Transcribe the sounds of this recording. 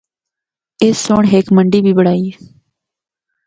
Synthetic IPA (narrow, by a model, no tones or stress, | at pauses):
eːsːoːɳɦeːkməɳɖiːbʱiːbəɽaːiː